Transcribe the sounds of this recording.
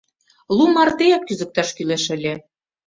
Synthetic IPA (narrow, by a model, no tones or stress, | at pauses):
lˠumɑrt̪ejɑkːyzɘ̆k̚t̪ɑʃkyleʃɘ̆lʲĕ